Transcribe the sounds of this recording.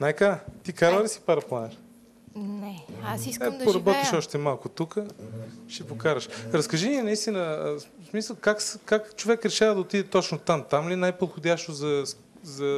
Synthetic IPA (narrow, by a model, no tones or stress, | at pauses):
najkat̪ikaɾəlisi̥paɾɐplˠanɛɾ | nɛasiɛppoɾɐbɔt̪iʃɔʃt̪ɛmalˠkʊt̪ukəʃipokaɾəʃɾɐskɐʒiniɛnɐist̪inəsmisəlˠkakskakt͡ʃovɛkɾɛʃavɐd̪ɐot̪id̪ɛt̪ɔt͡ʃnot̪amt̪amlinajpot̪xod̪ʲjaʃt̪ozɐ | zɐ